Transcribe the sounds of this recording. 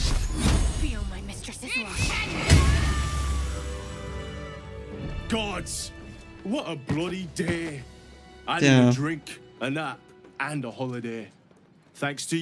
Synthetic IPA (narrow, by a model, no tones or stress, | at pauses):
wiəmaɪmɪstɹ̥əsɨzlɔ | ɡ̥ɑdz̥wʌɾəblʌɾideɪ | ʔaɪɪdɹɪ̃ŋkə̃nðətə̃nəhɑlˠədeɪ | θæ̃ŋkstʰɨ